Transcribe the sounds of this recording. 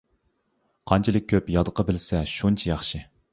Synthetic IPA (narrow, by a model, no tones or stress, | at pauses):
qʰɑnt͡ʃʰilˠɨk̚ʲʰːøpjɑd̪əqʰɑbɪlsɛʃunt͡ʃʰɛjɑχʃɨ